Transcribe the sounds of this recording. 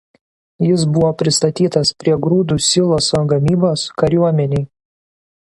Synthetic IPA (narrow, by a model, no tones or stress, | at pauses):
jɪs̬bʊʋoːpʲɾʲɪst̪ɐt̪ʲiːt̪ɐspʲɾʲiɛɡɾuːd̪uːsʲɪlˠoːsoːɡɐmʲiːboːskɐɾʲuɔmʲɛnʲɛɪ